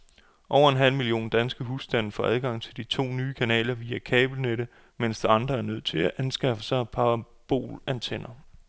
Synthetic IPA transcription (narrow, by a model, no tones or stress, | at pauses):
ʔɒʊ̰ɐe̝nɦæl̰milio̝̰ːnd̥ænsɡ̥əɦusd̥æn̰̩fɒ̰ʔæð̞ˠɡ̥ɑ̈ŋ̰t͡sʰe̝ld̥it͡sʰo̝̰ːnyːkʰænɛ̰ːlɐʋiːækʰɛːb̥l̩neɾ̥ə | men̰sd̥iɑ̈nd̥ʁɐæɐnøð̰ˠt͡sʰe̝læʔænsɡ̥ɑ̈fəsɑ̈ɪpʰɑ̈ɑ | b̥o̝̰ːlænt͡sʰen̰ɐ